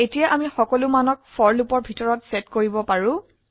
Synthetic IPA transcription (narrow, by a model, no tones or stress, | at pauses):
etijaʔamixɔkɔlumanɔk̚fɔɹlupɔɹbʱitɔɹɔtsetkoɹibɔpaɹʊ̃